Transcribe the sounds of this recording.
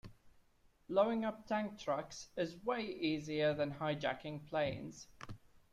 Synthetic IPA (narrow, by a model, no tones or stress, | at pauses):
ləʊɪ̃ŋʌp̚tʰæ̃ŋk̚tʰɹ̥ʌksɪzweɪʔiːziəðə̃nhaɪd͡ʒæ̰kɪ̃ŋpʰl̥ẽɪ̃nz̥